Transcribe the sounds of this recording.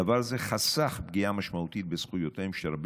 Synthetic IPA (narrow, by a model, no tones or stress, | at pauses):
avaɾzeχasaχbɡiamaʃmaut̪it̪̚besχujot̪ejmʃeɾab